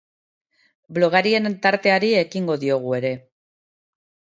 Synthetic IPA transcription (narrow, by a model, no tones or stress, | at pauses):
blo̞ɣ̞aɾie̞nt̪aɾt̪e̞aɾie̞kiŋɡo̞ðio̞ɣ̞ue̞ɾe̞